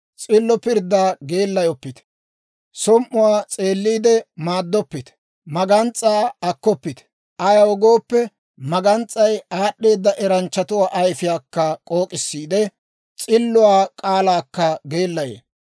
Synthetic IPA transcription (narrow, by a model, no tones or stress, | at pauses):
t͡sʼɪlːɔpɪɾd̪ːaːɡe̞ːlːɐjɔpːɪt̪ | sɔmʔːʊwaːt͡sʼe̞ːlːiːd̪ɛmaːd̪ːɔpːɪt̪ | mɐɡɐnt͡sʼːaːɐkːɔpːɪt̪ | ɐjɐwɔɡoːpːɛ | mɐɡɐnt͡sʼːɐjaːɗːe̞ːd̪ːɐʔɛɾɐnt͡ʃːɐt̪ʊwaːʔɐjfɪjaːkːɐkʼo̞ːkʼɪsːiːd̪ɛ | t͡sʼɪlːʊwaːkʼaːlaːkːɐɡe̞ːlːɐjḛː